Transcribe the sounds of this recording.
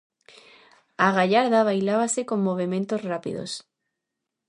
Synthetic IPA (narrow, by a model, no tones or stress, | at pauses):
aɣaʎaɾðaβ̞ajlaβasekõŋːoβ̞emẽnt̪ozrapḭðo̰s